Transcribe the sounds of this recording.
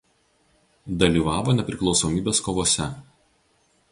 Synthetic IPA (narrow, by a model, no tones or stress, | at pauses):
d̪ɐlʲiːˑʋɑːʋoːnʲɛpʲɾʲɪklˠɒʊsoːmʲiːbʲeːskoʋoːsʲɛ